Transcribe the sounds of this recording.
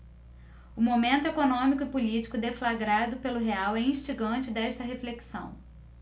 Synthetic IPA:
ʊmomẽnt̪ʊekonõmikʊɪpulit͡ʃi̥kʊd̪eflaɡɾad̪ʊpelʊɦeawɛĩʃt͡ʃiɡɐ̃nt͡ʃɪd̪ɛʃt̪ɐɦefleksɐ̰̃w̃

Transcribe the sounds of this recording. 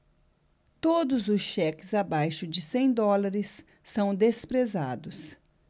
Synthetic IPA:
t̪od̪ʊzʊsʃɛkɪzabajʃʊd͡ʒɪsẽj̃d̪ɔlaɾɪsː | ɐ̃w̃d̪espɾeza̰d̪ʊs

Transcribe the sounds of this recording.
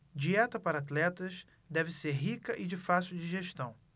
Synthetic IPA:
d͡ʒiɛt̪ɐpaɾɐat̪lɛt̪ɐʃ | d̪ɛvɪseɾɦikɐʔɪd͡ʒɪfasiuwd͡ʒiʒeʃt̪ɐ̃w̃

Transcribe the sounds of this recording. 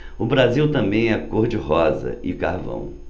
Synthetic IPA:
ʊbɾaziwt̪ɐ̃mbẽj̃ɛkoɾd͡ʒɪɦɔzɐ̰ɪka̰hvɐ̰̃w̃

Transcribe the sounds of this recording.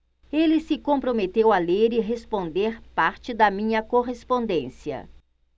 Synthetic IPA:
elɪsɪkõpɾomet̪ewɐleɾɪɦespõnd̪eɾpaɾt͡ʃɪd̪ɐmĩɲɐkoɦespõnd̪ẽsiɐ̰

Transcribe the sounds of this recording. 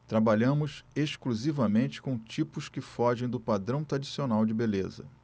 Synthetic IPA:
t̪ɾabaʎɐ̃mʊseʃkluzivɐmẽnt͡ʃɪ̥kõt͡ʃipʊskɪfɔʒẽj̃d̪ʊpad̪ɾɐ̃w̃t̪ɾad͡ʒisionawd͡ʒɪbelezɐ̰

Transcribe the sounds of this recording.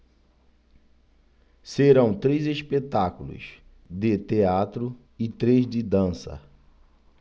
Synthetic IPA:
seɾɐ̃w̃t̪ɾejzespet̪akulʊ̰s | d̪ɪt̪eat̪ɾʊ | ɪt̪ɾezd̪ɪd̪ɐ̃sɐ̰

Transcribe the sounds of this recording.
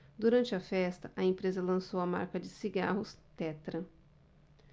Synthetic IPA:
d̪uɾɐ̃nt͡ʃɪɐfɛst̪ɐʔɐẽmpɾezɐlɐ̃sowɐma̰ɾkɐd͡ʒɪsiɡa̰ɦʊst̪ɛt̪ɾɐ

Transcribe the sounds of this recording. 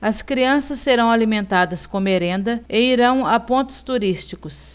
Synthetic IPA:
ɐskɾiɐ̃sɐsːeɾɐ̃w̃alimẽnt̪ad̪ɐskõmeɾẽnd̪ɐeiɾɐ̃w̃apõnt̪ʊ̥st̪uɾist͡ʃikʊs

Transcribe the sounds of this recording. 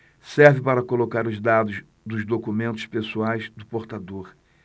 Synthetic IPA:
sɛɾvɪpaɾɐkolokaɾʊzd̪ad̪ʊz | d̪ʊzd̪okumẽnt̪ʊ̥spesuajzd̪ʊpoɾt̪ad̪oɾ

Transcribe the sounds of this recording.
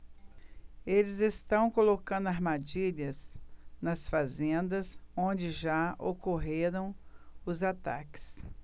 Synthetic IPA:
elɪzest̪ɐ̃w̃kolokɐ̃nd̪ʊaɾmad͡ʒiʎɐznɐsfazẽnd̪ɐzõd͡ʒɪʒaʔokoɦeɾɐ̃w̃ʊzat̪a̰kɪ̥s

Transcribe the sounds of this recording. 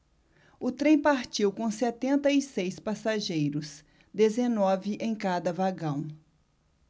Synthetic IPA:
ʊt̪ɾẽj̃paɾt͡ʃiwkõsɛt̪ẽnt̪ɐisejspasaʒejɾʊs | d̪ezenɔvɪʔẽj̃kad̪ɐvaɡɐ̃w̃

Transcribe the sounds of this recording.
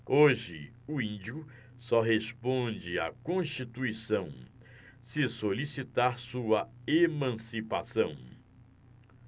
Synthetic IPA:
oʒɪ | ʊĩd͡ʒiʊ | sɔɦespõd͡ʒɪa̰kõʃt͡ʃit̪uisɐ̃w̃ | sɪsolisit̪aɾsuɐemɐ̃sipasɐ̃w̃

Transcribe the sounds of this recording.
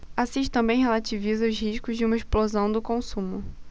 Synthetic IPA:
asiʃɪ̥t̪ɐ̃mbẽj̃ɦelat͡ʃivizɐʊzhiʃkʊzd͡ʒɪũmɐesplozɐ̃w̃d̪ʊkõsũmʊ

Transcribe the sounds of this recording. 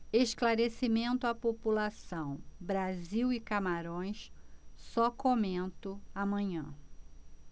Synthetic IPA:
eʃklaɾesimẽnt̪ʊapopulasɐ̃w̃bɾaziwikamaɾõj̃ssɔkomẽnt̪ʊamɐ̃ɲɐ̃

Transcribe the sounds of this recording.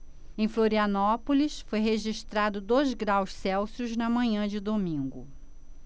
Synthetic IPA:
ẽj̃floɾiɐnɔpolisfojɦeʒiʃt̪ɾad̪ʊd̪ojzɡɾawssɛwsjʊznɐmɐ̃ɲɐ̃d͡ʒɪd̪omĩɡʊ̰

